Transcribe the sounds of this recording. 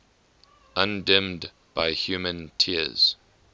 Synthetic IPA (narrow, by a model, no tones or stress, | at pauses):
ʔãndɛ̃md | b̥aɪhjuːmə̃ntʰiəz̥